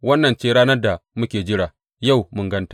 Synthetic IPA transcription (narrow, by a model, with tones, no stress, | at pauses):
wɐ˦nːɐ˨nt͡ʃeː˦ɾaː˦nɐ˦rda˨mʊ˦kʲeː˨d͡ʒɪ˦ɽaː˨ | ja˦˨wmʊ˨ŋɡɐ˦ntḁː˨